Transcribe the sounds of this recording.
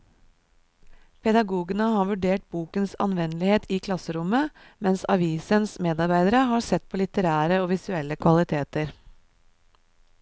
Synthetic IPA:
pʰɛd̪ɑɡuːɡənəhɑːʋʉɖeːʈ̚buːkənsɑ̰nʋɛnəlɪheːt̪ʰiːkʰlɑsəɾʊmə | mɛnsɑʋiːsənsmeːd̪ɑɾbæɪd̪əɾəhɑːsɛt̪̚pʰoːlɪt̪əɾæːɾəoːʋɪsʉɛlːəkʰʋɑlɪt̪ʰeːt̪əɾ

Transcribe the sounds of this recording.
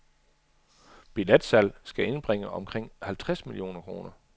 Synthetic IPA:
b̥iled̥sælsɡ̥æe̝nb̥ʁeŋəɒ̽mkʰʁeŋ̰hælt͡sʰʁasmilijo̝̰ːnɐkʰʁo̝ːnɐ

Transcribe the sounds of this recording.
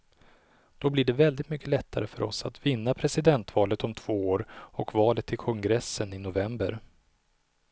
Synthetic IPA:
d̪̥ɔblɪɖɛvɛld̪ɪt̪mʏkːəlɛt̪ʰːaɾəfœɾɔsat̪vɪnːapʰɾɛsɪd̪ɛnt̪vɑːlət̪ɔmt̪ʰv̥oːoːɾɔkvɑːlət̪ʰːɪlkʰɔŋɡɾɛsːənɪnʊvɛmbəɾ

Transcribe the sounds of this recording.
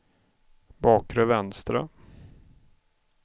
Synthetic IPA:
bɑːkɾœvɛnst̪ɾa̰

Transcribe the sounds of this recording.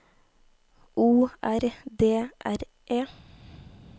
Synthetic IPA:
ʔuːʔæɾd̪eːʔæɾ | ʔeː

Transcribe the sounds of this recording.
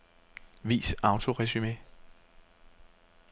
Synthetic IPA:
ʋḭːsɑ̈ʊt͡sʰo̝ʁɛsyme̝̰

